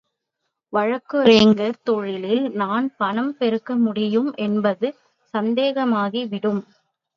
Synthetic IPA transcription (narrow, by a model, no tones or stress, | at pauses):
ʋɐɻɐkːɯɾeːŋɡɐɾt̪ɔɻɪlɪlnaːnpɐnɐmpɛɾɯkːɐmʊɽɪjɯmʔɛnbɐðɯ | sɐnd̪eːɣɐmaːɣiʋɪɽɯm